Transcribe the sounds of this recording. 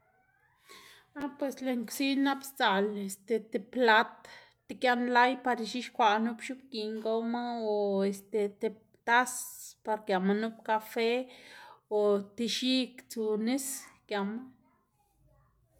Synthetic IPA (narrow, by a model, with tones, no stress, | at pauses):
a˦pwe˨sle˧ŋksi˦na˦pst͡sa˨le˧st̪e˨t̪e˧˨pla˦t̪ | t̪e˧kʲja˧nla˦jpa˧ɾi˧ʃi˦ʃkʷa˨ʔnu˦pʃu˦p̚ki˨ŋɡo˦ma˦o˧est̪e˨t̪e˧ | t̪a˦spa˧ɾkja˨ma˧nu˦pka˧fe˦ | o˨t̪i˧ʃi˦kt͡su˧ni˦skja˨ma˦